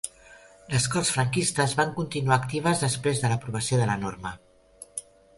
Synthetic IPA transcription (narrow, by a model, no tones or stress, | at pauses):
ləskɔrsfɾəŋkist̪əzβaŋkunt̪inuaːkt̪iβ̞əzðəspɾezðələpɾuβ̞əsioðələnoɾmə